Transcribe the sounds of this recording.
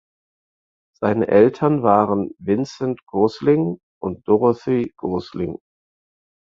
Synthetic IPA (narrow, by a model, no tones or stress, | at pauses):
z̥aɪnə̰ʔɛltʰɐnvaːʁənvɪnt͡sɛntɡ̥oslɪŋ | ʔʊnt̚d̥ɔʁəθiɡ̥oːslɪ̰ŋ